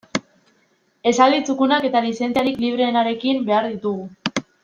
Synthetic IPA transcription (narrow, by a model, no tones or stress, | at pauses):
e̞salit͡sukunake̞t̪alise̞nt͡siaɾikliβ̞ɾe̞ːnaɾe̞kimbe̞aɾðit̪uɣu